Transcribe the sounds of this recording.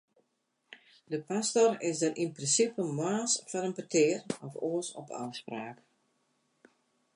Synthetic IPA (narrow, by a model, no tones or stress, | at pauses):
dəpastɔrɪsdəɾʔinprɪnsipəmwaːsfɔɾənpətɪːərɔfoːsɔ̰pa̰wspraːk